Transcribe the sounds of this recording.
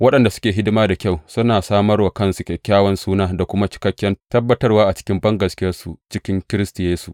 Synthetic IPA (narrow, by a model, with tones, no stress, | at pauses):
wɐ˦ɗɐ˨nda˨sʊ̥˦kʲeː˨ɦɪ˦dʊ˦maː˦da˨kʲa˦˨wsʊ˦naː˨saː˦mɐ˦rwa˨kɐ˦˨nsu˨kʲkʲːaː˦wɐ˦nsuː˦naː˦da˨kʷʊ˦ma˦t͡ʃɪ̥˦kɐ˦kʲːjɐ˦ntɐ˦bːɐ˦tɐ˦rwaː˦ʔa˨t͡ʃɪ̥˦kʲɪ˦mbɐ˦ŋɡɐ˨skʲɪ˦jɐ˦rsu˨t͡ʃɪ˦kʲɪ˦ŋkʲɪ˦ɾɪ˦stɪ˨jeː˦su˨ʔ